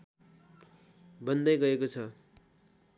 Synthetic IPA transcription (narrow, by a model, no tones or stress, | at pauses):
bʌnd̪ʌjɡʌekot͡sʰʌ